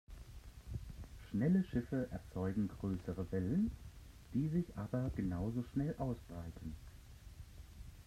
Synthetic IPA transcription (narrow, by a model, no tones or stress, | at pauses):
ʃnɛləʃɪfəʔɛɐt͡sɔʏɡŋ̩ɡʁøːsəʁəvɛlən | d̥iːzɪçʔaːbɐɡ̥ənaʊzoʃnɛlʔaʊsb̥ʁaɪtʰn̩